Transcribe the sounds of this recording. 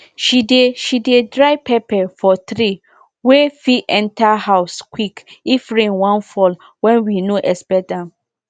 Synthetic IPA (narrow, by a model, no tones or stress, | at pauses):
ʃideʃidedɾaɪpʰɛpʰɛfɔt̪ɾi | wefiʔɛ̃ntʰahaʊskʰwikifɹẽnwãnfɔl | wɛ̃nwinoʔɛsbɛdãm